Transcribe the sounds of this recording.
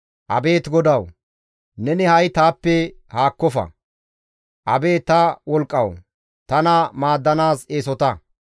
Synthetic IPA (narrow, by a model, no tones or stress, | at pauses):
ʔɐ̰be̞ːt̪ɡɔd̪ɐw | nɛnɪhɐjt̪aːpːɛhaːkːɔfɐ̰ | ʔɐbe̞ːt̪ɐwɔlkʼːɐw | t̪ɐnɐmaːd̪ːɐnaːseːsɔt̪ɐ